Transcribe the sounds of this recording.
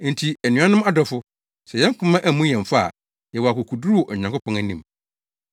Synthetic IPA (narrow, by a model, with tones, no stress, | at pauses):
n̩˨tʰi˨æ˨nɪ̃˨˦ã˦nʊ̃˦ma˦dɔ˨fʊ˦ | sɛ˨jɛ̃˦ŋ˦kʰʊ̃˦mã˦ʔæ˦˨mũ˦jɛ̃˨ɱ˨fa˦a̰˨ | jɛ˨wɔ˨a˨kʰʊ˨kʰu˨du˦ɾu˦wɔ˨ɲã˨ŋkʊ˦pʰɔ̃˦ŋæ˦˨nĩ˦m